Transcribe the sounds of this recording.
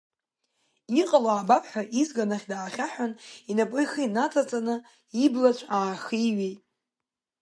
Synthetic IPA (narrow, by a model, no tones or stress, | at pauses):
iqʼalaːbapʰʼħʷᶣaʔizɡanaχʲdaːχʲaħʷᶣaninapʼʊjxinat͡sʼat͡sʼanɨ | iblat͡ɕʷʰaːχiɥejtʼ